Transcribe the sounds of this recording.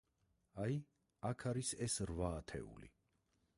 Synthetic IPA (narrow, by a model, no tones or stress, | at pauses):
aj | akʰaɾisɛsɾvaːt̪ʰɛ̰ṵlḭ